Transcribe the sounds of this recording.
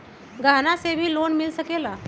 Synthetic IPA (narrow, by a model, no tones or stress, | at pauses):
ɡʱanasebʱiːlonmilsəkela